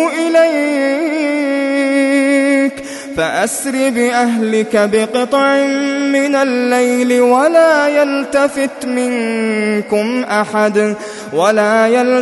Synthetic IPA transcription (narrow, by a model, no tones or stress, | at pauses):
ʔɪlaj | k | faʔasɾɪbɪʔaɦlɪkabɪqɨt̪ˤʕɪmɪnalːajlɪwalaːjalt̪afɪt̪mɪnkʊmʔaħad̪ | walaːjal